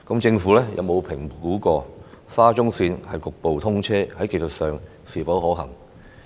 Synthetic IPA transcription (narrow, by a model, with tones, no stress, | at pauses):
kɐ˨˥mt͡sɪ˧ŋfuː˨˥lɛ˥jʔɐ̰˧wmo˨˧wpʰɪ˨˩ŋkuː˨˥kɔː˧saː˥t͡sʊ˥ŋsiː˧nhɐ˨jkʊ˨k̚po˨wt̪ʰʊ˥ŋt͡sʰɛː˥hɐ˨˥jke˧jsə˨t̚sœː˨ŋ | siː˨˩pɐ˨˥wɦɔː˨˥ɦɐ̰˨˩ŋ